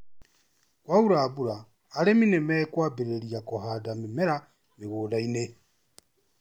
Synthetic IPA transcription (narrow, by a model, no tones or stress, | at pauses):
kwauɾaːβuɾaː | leminemɛkwaːbeɾeɾiakohaːdamimeɾa | meɣuːdaine